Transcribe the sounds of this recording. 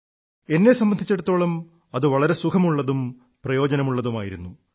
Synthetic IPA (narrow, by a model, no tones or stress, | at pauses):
e̞nːe̞sɐmbɐnd̪ʱit͡ɕːe̞ɽut̪ːo̞ːɭɐm | ɐðɨʋɐɭɐɾe̞sukʰɐmuɭːɐðum | prɐjo̞ːd͡ʑɐnɐmuɭːɐðumaːjiɾunːu